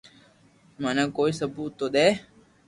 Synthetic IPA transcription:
manãːkoːiːsəbʱuːt̪oːɗ̪eː

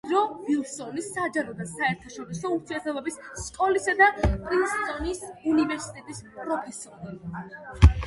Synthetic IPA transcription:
ɾɔvilˠsɔnisad͡ʒaɾɔd̪asaɛɾt̪ʰaʃɔɾisɔuɾt̪ʰiɛt̪ʰɛbɛbisskʼɔlisad̪apʼɾinst̪ʼɔnisunivɛɾsi̥t̪ʼɛt̪ʼispʼɾɔpʰɛsɔɾi

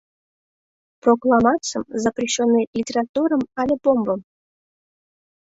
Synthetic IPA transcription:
proklˠɑmɑt͡səmzaprʲiɕːonːɨlʲitʲerat̪uɾəmɑlʲepombəm

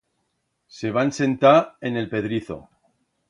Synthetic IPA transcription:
se̞β̞anse̞nt̪aene̞lpe̞ðɾiθo̞̰

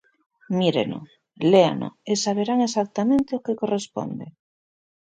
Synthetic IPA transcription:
miɾḛno̰ | lea̰no̰esaβ̞eɾaŋesak̚t̪amẽnt̪eokekorespo̰nd̪e

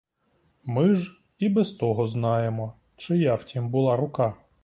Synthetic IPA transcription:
mɪʒ | ibɛst̪ɔɦɔznɑjemɔ | t͡ʃɪjɑwtʲimbʊlˠɑɾʊkɑ

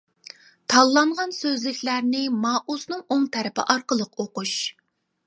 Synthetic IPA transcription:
t̪ʰɑlˠːɑɴʁɑnsøzlɪkʲlæɾnɪmɑːʔusnɨŋoŋt̪ʰɛɾɪpɪ̰ʔɑɾqəlˠəqoquʃ

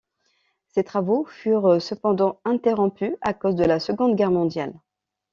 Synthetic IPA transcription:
set̪χavofyʁsəpɑ̃d̪ɑ̃ɛ̃t̪eʁɔ̃pyakozd̪əlasəɡɔ̃d̪ɡʲɛʁmɔ̃d̪jal

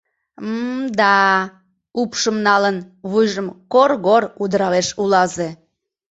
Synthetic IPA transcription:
md̪ɑ | upʃəmnɑlənβujʒəmkorɣoɾud̪əɾɑβeʃulɑze

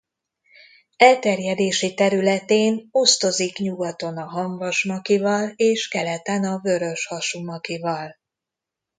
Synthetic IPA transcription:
ɛlt̪ɛrjɛd̪eːʃit̪ɛɾylɛt̪eːno̞st̪o̞zikɲuɡɒt̪o̞nɒɦɒɱvɒʃmɒkivɒleːʃkɛlɛt̪ɛnɒvø̞ɾø̞ʃhɒʃumɒkivɒl

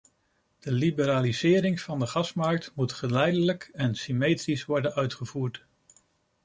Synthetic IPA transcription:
d̥əlibəɾaːlizɪːɾɪŋvɑndəχɑsmɑɹk̚tmutχəlɛjdələkɛnsimejtrisʋɔɹdənœɥtχəv̥uːɹt

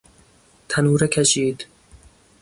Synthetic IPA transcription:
t̪ʰænuːɾɛkʲʰæʃiːd̪

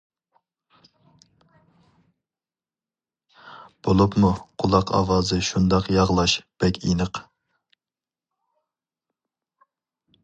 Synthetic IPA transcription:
b̥olˠupmuqʰʊlˠɑqɑ̰wɑːzɨʃund̪ɑqjɑʁlˠɑʃb̥ɛkʲinəq

